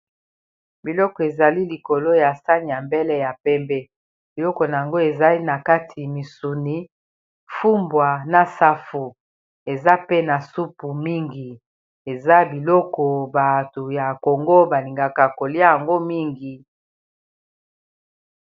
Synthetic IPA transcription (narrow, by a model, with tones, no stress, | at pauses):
bi˨lɔ˦kɔ˨e˨za˨li˦li˨ko˨lo˦ja˨sa˦ni˨ja˨mbe˦lɛ˦ja˨pɛ˦mbɛ˦ | b̥i˨lɔ˦kɔ˨na˨a˨ŋɡo˦e˨za˦i˦na˨ka˦tʰi˨mi˨su˨ni˦ | fu˦mbwa˨na˦sa˦fu˨ | e˨za˦pe˦na˨su˦pu˨mi˦ŋɡi˨ | e˨za˦bi˨lɔ˦kɔ˨ba˨to˨ja˨ko˨ŋɡo˦ba˨li˨ŋɡa˨ka˨ko˨li˦a˦ja˨ŋɡo˦mi˦ŋɡi˨